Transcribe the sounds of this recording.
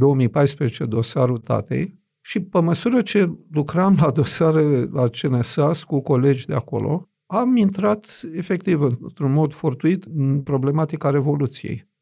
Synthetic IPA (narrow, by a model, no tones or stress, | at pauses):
d̪o̞womijpajspɾezet͡ʃe̞d̪o̞saɾut̪a̰t̪ḛj | ʃipeməsuɾət͡ʃe̞lukɾamlad̪o̞saɾelelat͡ʃenesaskuko̞le̞d͡ʒʲd̪eako̞̰lo̞̰ | amint̪ɾat̪e̞fe̞k̚t̪ivɨnt̪ɾunmo̞d̪fort̪uit̪ɨnpɾo̞ble̞mat̪ikaɾe̞vo̞lut̪sijḛj